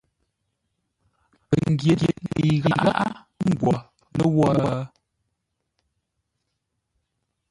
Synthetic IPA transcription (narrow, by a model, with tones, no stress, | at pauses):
pə˨ŋ˨ɡje˨ɡe˨nii˨ɣə˨˦ʔaɣa˦ʔa˦ | ŋ̩˦˨ɡwɔ˨ | lə˦wɔ˦